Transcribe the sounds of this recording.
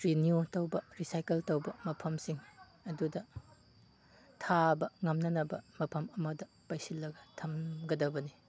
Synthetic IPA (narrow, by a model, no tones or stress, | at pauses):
ɾiniutɐwbɐɾisajkeltɐwbɐmɐpʰɐmsiŋ | ɐdudɐ | tʰabɐŋɐmnɐnɐbɐ̰mɐpʰɐmɐmɐdɐ | pajsilːɐɡɐtʰɐmɡɐdɐbɐni